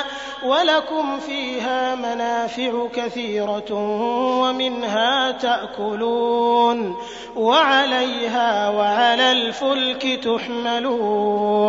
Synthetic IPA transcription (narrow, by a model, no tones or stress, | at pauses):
walakʊmfiːɦaːmanaːfɪʕʊkaθiːɾɑ | wamɪnɦaːt̪aʔkʊluːn | waʕalajɦaːwaʕalaːlfʊlkɪt̪ʊħmaluː